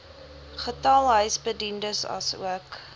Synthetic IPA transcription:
χətɐlˠɦœɥsbədindəsɐ̰sṵək

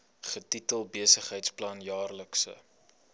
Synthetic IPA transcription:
χətitəlˠbiəsəχɦəjtsplɐnjɑːrləksə̰

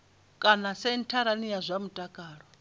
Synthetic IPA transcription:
kʼanasɛn̩tʰaɾanijazʷamutʼakʼaːɺɔ

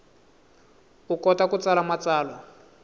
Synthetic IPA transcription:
ukɔtakut͡salamat͡saːlɔ

